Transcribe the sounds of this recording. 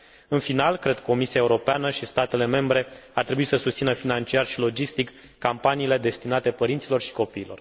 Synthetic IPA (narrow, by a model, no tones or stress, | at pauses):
ɨnfinalkɾe̞d̪ko̞misiae̞uɾo̞peanəʃist̪at̪e̞le̞me̞mbɾe̞art̪ɾe̞buit̪səsust̪sinəfinant͡ʃiarʃilo̞d͡ʒist̪ikː | ampaniːle̞d̪e̞st̪inat̪e̞pəɾint̪silo̞rʃi̥ko̞piːlo̞̰r